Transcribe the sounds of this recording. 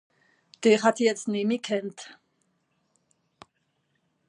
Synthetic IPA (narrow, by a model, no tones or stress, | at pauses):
t̪eːχat̪ʰiɛt͡sʰnimikʰɛnt̪ʰ